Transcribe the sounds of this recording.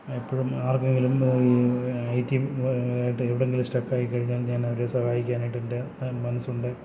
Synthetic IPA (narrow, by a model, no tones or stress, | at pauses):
ipːoːɻumaːrkːeŋɡilum | ɐjtːijiʈːɨeʋiɽeŋɡilisʈɐkːaːjikːɐɻiɲːaːlɲːaːnɐʋɐɾesɐhaːjikʲːaːnajiʈːinde | mɐnɐsːuɳɖɨ